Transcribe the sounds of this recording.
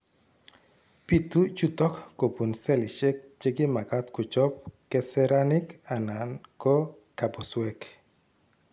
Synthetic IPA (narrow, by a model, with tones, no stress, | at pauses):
pi˨t̪u˦t͡ʃu˦tɔ˦kːo˨pu˨nsɛ˦lɪ˨ʃe˦k̚t͡ʃe˦ɡɪ˦ma˨ka˦t̪kʊ˨t͡ʃɔ˦p̚kɛ˨sɛɾa˦nɪ˦ka˨na˨nkɔ˦ | ka˨bɔ˨swɛ˦k